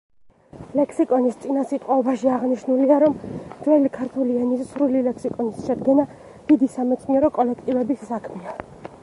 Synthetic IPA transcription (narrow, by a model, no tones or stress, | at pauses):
lɛkʰsikʼɔnist̪sʼinasit̪ʼqʼwɔɔbaʃiaʁniʃnuliaɾɔmwɛlikʰaɾt̪ʰuliɛnissɾulilɛkʰsikʼɔnisʃɛd̪ɡɛna | d̪̥id̪isamɛt̪sʼniɛɾɔkʼɔlɛkʰt̪ʼivɛbisːakʰmɛa